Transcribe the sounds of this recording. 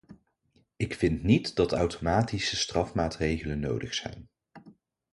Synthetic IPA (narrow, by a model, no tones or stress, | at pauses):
ɪkfɪntnitdɑtœwtʰomaːtisəstrɑfmaːtrejχələnːo̰wdəχsɛ̰jn